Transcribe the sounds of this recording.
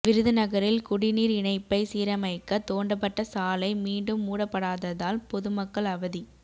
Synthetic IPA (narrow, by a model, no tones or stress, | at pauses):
ʋɪɾɯðɐnɐɣɐɾɪlkʊɽɪniːɾɪɳɐɪpːɐɪsiːɾɐmɐɪkːɐt̪oːɳɖɐp̬ːɐʈːɐsaːlɐɪmiːɳɖɯmːuːɽɐpːɐɽaːðɐðaːlpɔðɯmɐkːɐɭɐʋɐði